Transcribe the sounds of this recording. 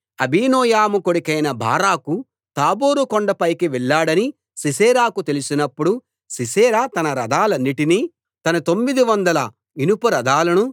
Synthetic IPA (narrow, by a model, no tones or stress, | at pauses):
ɐbʱiːnɔːjaːmukoɽikɐjnɐbʱa̰ːɾaːku | t̪aːboːɾukɔɳɖɐpɐjkiʋɛɭːaːɽɐni | sisɛːɾaːkut̪elusinɐpːuɽu | sisɛːɾaːt̪ɐnɐɾɐd̪aːlɐnːiʈiniː | t̪ɐnɐt̪o̞mːid̪iʋɐnd̪ɐlɐ | inupɐɾɐd̪aːlɐnu